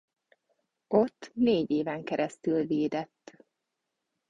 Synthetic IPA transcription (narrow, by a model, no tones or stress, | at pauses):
ot̪ːneːɟeːvɛŋkɛɾʔɛst̪ylveːd̪ɛt̪ː